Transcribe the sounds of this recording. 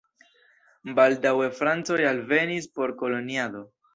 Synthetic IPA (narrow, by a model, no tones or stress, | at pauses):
baldawe̞fɾant͡so̞jalve̞nispo̞ɾko̞lo̞niado̞